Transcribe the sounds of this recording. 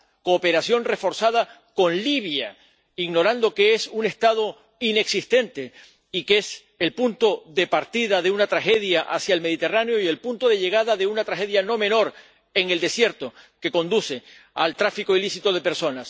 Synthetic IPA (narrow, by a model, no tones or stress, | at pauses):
ko̞ːpe̞ɾasjo̞nre̞fo̞ɾsað̞a | ko̞nliβ̞ja | iɣno̞ɾãnd̪o̞kee̞sune̞st̪að̞o̞ | ine̞ksist̪e̞nt̪e̞ | ike̞s | e̞lpunt̪o̞ðe̞paɾt̪iðaðe̞unat̪ɾaxe̞ðjaʔa̰sjaelme̞ðit̪e̞ranjo̞ie̞lpunt̪o̞ðe̞ʎe̞ɣ̞aðaðe̞unat̪ɾaxe̞ðjano̞mẽ̞no̞ɾ | e̞ŋe̞ld̪e̞sje̞ɾt̪o̞ke̞ko̞nd̪use̞ | a̰lt̪ɾafiko̞ilisit̪o̞ð̞e̞peɾso̞nas